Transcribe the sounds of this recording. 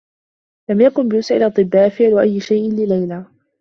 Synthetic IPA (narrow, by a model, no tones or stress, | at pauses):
lamjakʊnbɪjʊsʕɪlʔɑt̪ˤːɨbːaːʔfɪʕlwaʔajːɪʃajʔɪnlɪlajlaː